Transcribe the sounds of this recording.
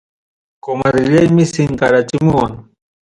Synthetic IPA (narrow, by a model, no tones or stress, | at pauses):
komaɾɪʎajmɪsɪŋkaɾat͡ʃɪmʊwaŋ